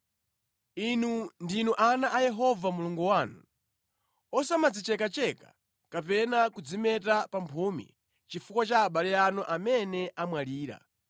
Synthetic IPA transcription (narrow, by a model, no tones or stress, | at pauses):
inundinuʔanaʔajɛɦɔvamuluŋɡuwanu | ɔsamad͡zit͡ʃɛkat͡ʃɛkḁ̰ | kapɛnakud͡zimɛtapampʰumḭ | t͡ʃifukwat͡ʃaːɓalɛanɔʔamɛnɛʔamwaliːɾa̰